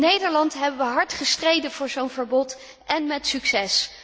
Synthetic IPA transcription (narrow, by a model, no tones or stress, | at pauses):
nejdəɹlɑntɦɛbənʋəɦɑɹtχəstrejdənvʊːɹzownvəɹbɔt | ʔɛnmɛtsyksɛs